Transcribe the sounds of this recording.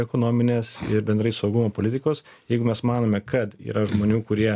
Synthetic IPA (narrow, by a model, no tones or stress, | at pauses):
ɛkoːnoːmʲɪnʲeːsɪɾbʲɛnd̪ɾɐɪsɐʊɡʊmoːpolʲɪtʲɪkoːs | jɛɪɡʊmʲɛsmɑːnoːmʲɛkɐt̪ḭːɾɐʒmoːnʲuːkʊɾʲiɛ